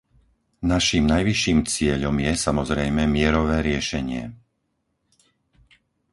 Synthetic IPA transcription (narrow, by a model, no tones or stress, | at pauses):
naʃiːmnajʋiʃiːmt͡sɪɛʎɔmjɛsamɔzɾɛjmɛmɪɛɾɔʋɛːɾɪɛʃɛɲɪɛ̰